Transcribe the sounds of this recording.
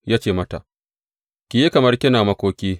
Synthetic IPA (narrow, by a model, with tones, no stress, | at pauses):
jaː˦t͡ʃeː˦˨mɐ˦ta˨ | kʲɪ˨je˦kɐ˨mɐ˦rkʲɪ˦naː˨mɐ˦kʷoː˦kʲeː˦